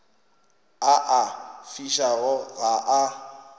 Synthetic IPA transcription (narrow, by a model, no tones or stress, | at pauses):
aʔafiʃaɣʊɣaʔa